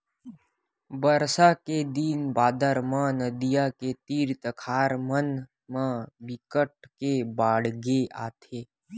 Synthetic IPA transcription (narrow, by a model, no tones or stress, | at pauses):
bəɾsaked̪iːnbaːd̪əɾmãnəd̪ijaket̪iːɾt̪əkʰaːɾmən | mãbɪkəʈ̚kebaːɽɡeʔa̰ːt̪ʰeː